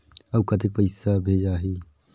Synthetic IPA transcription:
ɐbkat̪̬ek̚pɐɪsabʱeːd͡ʒaːɦiː

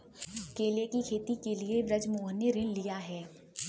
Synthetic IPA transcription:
keːlekikʰeːt̪ikeliebɾɐd͡ʒmoːɦəneɾɪnlijaɦɛː

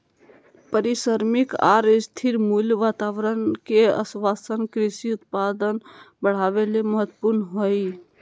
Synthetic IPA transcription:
pəɾisəɾmɪkaːɾst̪ʰiɾmuljʋaːt̪aːʋɾənkeə̰sʋaːsənkɾɪsiʊt̪̚pad̪ənbəɽ̤aːʋeleməɦət̪ːpuɾnɦoi

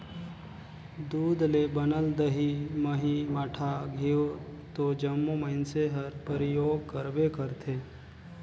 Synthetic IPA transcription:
d̪uːd̪lebənəld̪əɦiməɦimaʈʰaɡʱio | t̪od͡ʒəmːuməɪnseɦəɾpəɾɪjoːɡ̚kəɾbekəɾt̪ʰeː

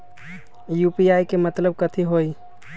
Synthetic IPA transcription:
jupiajkemət̪ləb̚kət̪ʰiɦoj

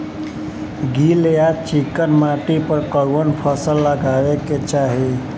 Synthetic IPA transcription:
ɡilejat͡ʃikənmaʈipəɾkəɾonpʰəsəlːəɡaʋeket͡ʃaɦi

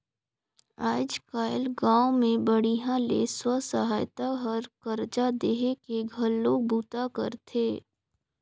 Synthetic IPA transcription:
aːd͡ʒkaːɪlɡãːomẽbəɽiɦãlḛswəsəɦaːjt̪aɦəɾkɐɾd͡ʒad̪eːɦekeɡʱɐlːoːɡ̚buːt̪akə̰ɾt̪ʰeː

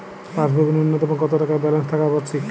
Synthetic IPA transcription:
paʃbʱibʱinunːot̪oeboŋkɔt̪oʈakaɾbɛlanst̪ʰakabaɾt͡ɕʰik

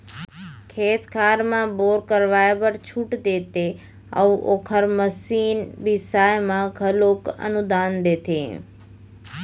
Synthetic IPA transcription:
kʰeːt̪kʰaːɾmãboːɾkəɾʋaːjbəɾt͡ʃʰuʈd̪eːt̪e | ə̰ʋʔoːkʰəɾməsiːnbisaːjmãɡʱəloːkə̰nʊd̪aːnd̪eːt̪ʰḛː

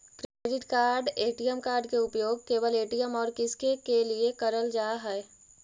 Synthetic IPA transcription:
kɾeːɖɪʈkaːɾɖeːʈijəmkaːɾɖkeʊpjoːɡ̚keːʋəleːʈijəmɔːɾkɪskekeliekɐɾəld͡ʒaːɦɛɛ

